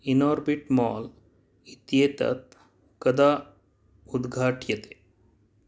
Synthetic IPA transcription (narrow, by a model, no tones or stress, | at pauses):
inɔːɾbiʈmɔːl | it̪jeːt̪ɐ̰t̪ | kɐd̪aː | ud̪ɡʱaːʈʰjɐt̪e̥